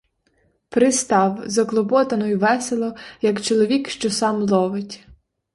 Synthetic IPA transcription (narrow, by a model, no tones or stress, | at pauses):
pɾɪst̪ɑwzɐklˠɔbɔt̪ɐnɔjʊʋɛselˠɔjɐkt͡ʃɔlˠɔʋʲikʃt͡ʃɔsɑmlˠɔʋɪtʲ